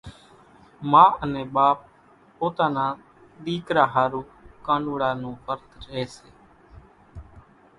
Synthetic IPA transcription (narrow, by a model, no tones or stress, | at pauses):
mãːəneːɓaːp̚ | poːt̪aːnaː | ɗ̪iːkɾaːɦaːɾuːkaːɳɖuːɽaːnũːkəɾt̪ɾəeːseː